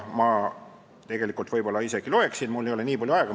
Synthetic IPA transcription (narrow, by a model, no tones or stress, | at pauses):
mɑ | t̪e̞ɡ̥e̞likːˑult̪vɤjbo̞lːɑise̞ɡ̥iloe̞ksid̪mulːeole̞niːpɑljuɑeɡ̥ɑ